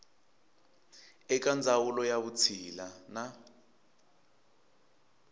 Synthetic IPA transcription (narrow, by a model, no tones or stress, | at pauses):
ɛk̬and͡zʱawulɔjaβut͡sʰilana